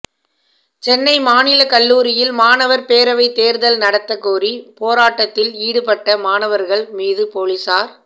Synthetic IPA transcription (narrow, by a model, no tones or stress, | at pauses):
t͡ʃɛnːɐɪmaːnɪlɐkɐɭːuːɾɪjɪlmaːnɐʋɐɾpeːɾɐʋɐɪt̪eːɾðɐlnɐɽɐt̪ːɐkːuːɾipoːɾaːʈːɐt̪ːɪliːɽɯpɐʈːɐmaːnɐʋɐɾɣɐɭmiːðɯpoːɭɪsaːɾ